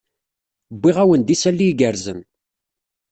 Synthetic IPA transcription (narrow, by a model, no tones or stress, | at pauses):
bːɪʁæwənd̪isælːiɡəɾzən